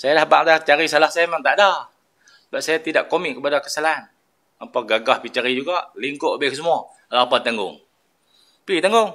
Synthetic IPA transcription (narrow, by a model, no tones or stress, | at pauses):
sajalahba̰ʔdat͡ʃaɾisalahsajamaŋt̪aʔdah | səbap̚sajat̪idaʔkomɪkːəpadakəsalan | mampɔɡaɡahpit͡ʃaɾid͡ʒuɡaʔliŋkʊʔbɪks̬əmua | alapant̪aŋɡʊ̰ŋ | pit̪aŋɡʊŋ